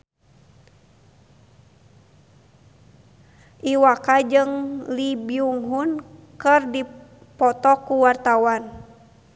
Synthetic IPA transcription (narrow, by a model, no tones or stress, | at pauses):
ʔiwakad͡ʒɨŋlibiuŋɦun | kɨrdi | pɔt̪ɔkuwart̪awan